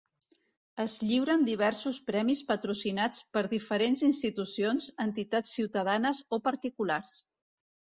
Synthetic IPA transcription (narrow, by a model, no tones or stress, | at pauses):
əzʎiwɾənd̪iβ̞ɛɾsuspɾɛmispət̪ɾusinat͡spəɾðifəɾenzinst̪it̪usionzənt̪it̪at͡sːiwt̪əðanəzopəɾt̪ikulars